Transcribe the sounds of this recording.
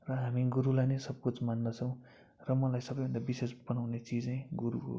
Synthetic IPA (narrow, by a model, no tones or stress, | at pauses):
rʌɦamiɡuɾulajnesʌpot͡smanːʌt͡sʰʌw̃ | rʌmʌlajsʌbʌjbʱʌnd̪abisesbʌnawnet͡sid͡zaj̃ɡuɾuko̰